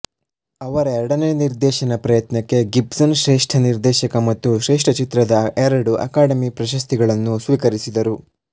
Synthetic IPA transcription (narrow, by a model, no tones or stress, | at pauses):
ɐʋɐɾɐɛɾɐɽɐneniɾd̪ɛːʃɐnɐpɾɐjɐt̪nɐkːe̞ɡipsɐnʃɾɛːʂʈʰɐniɾd̪ɛːʃɐkɐmɐt̪ːuʃɾɛːʂʈʰɐt͡ʃit̪ɾɐd̪ɐɛɾɐɽuʔɐ̰kaːɽɐmipɾɐʃɐst̪iɡɐɭɐnːusʋiːkɐɾisid̪ɐɾu